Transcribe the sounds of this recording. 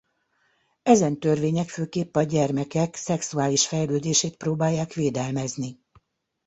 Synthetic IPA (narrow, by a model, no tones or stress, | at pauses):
ɛzɛnt̪ørʋeːɲɛkføːkeːpːɒɟɛrmɛkɛksɛksuaːliʃfɛjløːd̪eːʃeːt̪̚proːbaːjːaːkʋeːd̪ɛlmɛzni